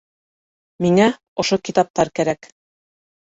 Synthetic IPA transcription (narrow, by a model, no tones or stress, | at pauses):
miŋæ | ŏʃokit̪ɑp̚t̪ɑɾkæɾæk